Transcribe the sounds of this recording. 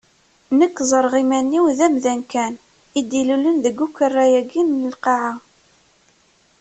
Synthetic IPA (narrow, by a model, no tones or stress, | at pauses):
nəkːzˤəɾˤʁimænːiwðæmðænkæn | id̪ilulənðəɡukːərˤːæjæɡinləlqɑʕa